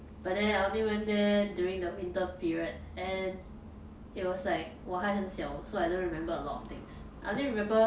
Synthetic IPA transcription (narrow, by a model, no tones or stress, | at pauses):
b̥at̚dɛ̃naɪõnliwɛ̃ndɛdjuɹĩŋdəwĩntəpiɹiət̚ɛ̃n | it̚wɔslaɪk̚waɦaɪə̃nsɛlsoaɪdõnɹimɛ̃mbəəlɔtɔ̰ft̪ɪ̃ŋs | ʔa̰ɪ̰ʔõndĩɹimɛ̃mbə